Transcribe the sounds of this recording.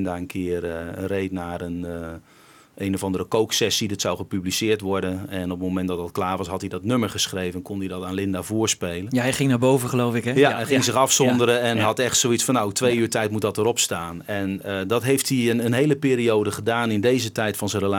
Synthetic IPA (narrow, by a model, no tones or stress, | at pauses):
ndaənkʰɪːrrejtnaːrən | ejnɔvɑndəɾəkowksɛsidɑtsawχəpyblisɪːɹtʋɔɹdənɛnɔp̚momɛntdɑt̚dɑtklaːɹʋɑsɦɑtɦidɔtnøməɹχəsχrejvənkɔndidɑtaːnlɪndavʊːɹspejlənaɛχɪŋnaːɹbowvəχəlowfɪkjaɛχɪŋzɪxɑfsɔndəɾəɛnɦɑtɛχtsowitsfɑnaok̚tʋejyːɹtɛjtmutdɔtəɾɔpstaːnɛnədɑtɦejftiənənɦejləpɪːɾiowdəχədaːnɪndejzətɛjtfɑnzərəla